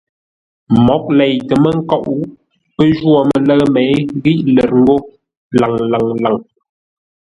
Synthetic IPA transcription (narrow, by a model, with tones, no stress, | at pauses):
mɔ˨˦k̚lɛ˨jtə˨mə˦ŋ̩˦kɔ˦˨ʔu˦ | pə˦ʒwɔ˨mə˨lə˦ɣmɛ˨˦jɣi˦ʔlə˨ɾŋ̩˦ɡo˦ | la˨ŋla˨ŋla˨ŋ